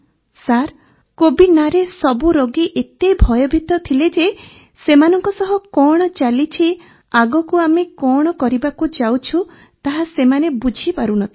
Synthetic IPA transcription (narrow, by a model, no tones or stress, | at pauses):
saɾ | kobinaɾesɔbuɾoɡiʔet̪ejbʱɔjɔbʱit̪ɔt̪ʰiled͡ʒe | semanɔŋkɔsɔɦɔkɔɽ̃ɔt͡ʃalit͡ʃʰi | aɡɔkuamekɔɽ̃ɔkɔɾibakud͡ʒawt͡ʃʰu | t̪aɦasemanebud͡ʒʱipaɾunɔt̪ʰi̥